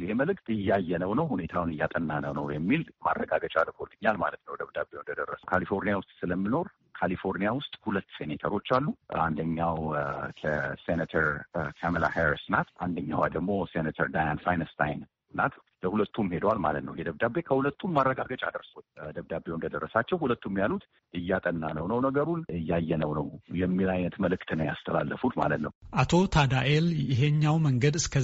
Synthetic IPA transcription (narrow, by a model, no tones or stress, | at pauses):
jɪheməlɨkʼt̪ʼɨjːajːɛnəwnəwhune̞t̪ʰawnɨjːat̪ʼənːanəwnə̰wjɛmːilma̰rːəɡaɡət͡ʃʼalkʰolːɨɲːalma̰lət̪nəwd̪əβd̪abewnd̪əd̪ərːəsəwkʰalifo̞ɾnijawʊst̪ʼsɨləmːɨno̞ɾ | kʰalifo̞ɾnijawʊst̪ʼhulət̪ːsenet̪ʰə̰ɾo̞t͡ʃːalːua̰nd̪əɲːawkʰəsenət̪ʰəɾkʰaməla̰heɾisnat̪ʰand̪əɲːa̰wad̪əɡmo̞senat̪ʰəɾd̪ajanfajnəst̪ʰa̰jn | nːa̰t̪ | ləhulət̪ːumhe̞d̪walma̰lət̪nə̰wjɛd̪əβd̪abe̞kʰəhulət̪ʰːumːarːəɡaɡət͡ʃʼa̰d̪əɾsod̪əβd̪abewnd̪əd̪ərːəsat͡ʃːɛwhulət̪ːumjalut̪ | ʔɨjːat̪ʼənːa̰nəwnəwnəɡəɾunɨjːajːɛnəwnə̰wjɛmːilajnət̪məlɨkt̪ɨnəwja̰st̪ʰəla̰lːəfut̪ma̰lət̪nəwʔat̪ʰo̞t̪ʰad̪aʔeljɪɦeɲːawməŋɡəd̪ɨskʰə